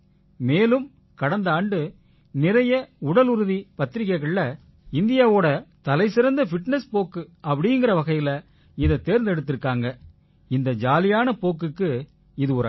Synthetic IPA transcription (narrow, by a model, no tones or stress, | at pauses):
meːlɯm | kɐɽɐnd̪aːɳɖɯ | nɪɾɐjɐʊɽɐlʊɾɯðipɐt̪ːɪɾɪkːɐɪɣɐɭlɐ | ɪnd̪ɪjaːʋoːɽɐt̪ɐlɐɪsɪɾɐnd̪ɐfɪʈnɛspoːkːɯɐpːɐɽɪŋɡɪɾɐʋɐɣɐɪjɪlɐ | ɪðɐt̪ːeːɾnd̪ɛɽɯt̪ːɪɾɯkːaːŋɡɐ | ɪnd̪ɐd͡ʒaːlɪjaːnɐpoːk̬ːɯkːɯ | ɪðɯɔɾ